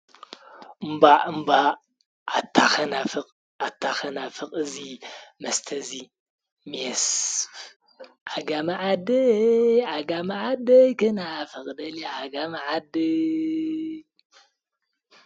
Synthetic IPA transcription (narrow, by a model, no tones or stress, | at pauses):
ʔɨmbaɨmba | ʔat̪ʰːaxɐnafɨqʼ | at̪ʰːaxɐnafɨqʼɨzimɐst̪ʰɐzi | mjɛs | ʔaɡamaʕad̪ɨaɡamaʕad̪ɐjkɨnafɨkʼd̪ɐljaaɡamaʕad̪ɨ